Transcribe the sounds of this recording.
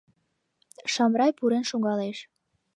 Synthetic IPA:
ʃɑmrɑjpuɾenʃoŋɑleʃ

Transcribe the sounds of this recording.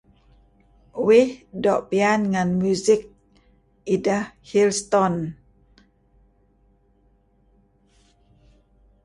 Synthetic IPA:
wihdɔʔpianŋanmuzik̚ | idəhhilst̪ɔn

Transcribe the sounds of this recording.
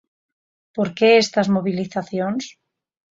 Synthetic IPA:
poɾkeest̪azmoβiliθaθjoŋs

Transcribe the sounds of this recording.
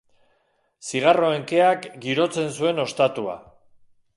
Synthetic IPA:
siɣ̞aro̞eŋke̞akɡiɾo̞t͡se̞nsue̞no̞st̪at̪ua̰

